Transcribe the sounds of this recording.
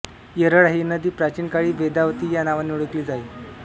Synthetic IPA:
jəɾəɽaɦinəd̪iːpɾat͡ɕiːnkaɭiːbed̪aʋt̪iːjanaʋaniuɽəkliːd͡zai

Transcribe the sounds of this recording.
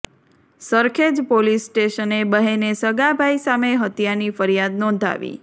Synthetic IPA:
səɾkʰed͡ʒpolisːʈeʃənebəɦenesəɡabʱaisameɦət̪janifəɾijad̪nɔ̃nd̪ʱa̰ʋḭ

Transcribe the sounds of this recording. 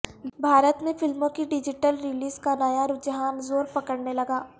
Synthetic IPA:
bʱaːɾət̪nẽfɪlmõkiɖɪd͡ʒɪʈəlɾɪliːzkanɐjaɾʊd͡ʒɦaːnzoːɾpɐkəɽnelɐɡaː

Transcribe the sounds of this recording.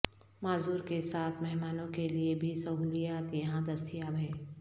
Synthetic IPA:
maːzuːɾkesaːt̪ʰmɛɦmaːnõkeliebʱisɐɦuːlijaːt̪jɐɦãd̪ɐst̪ʰijabʱɛː

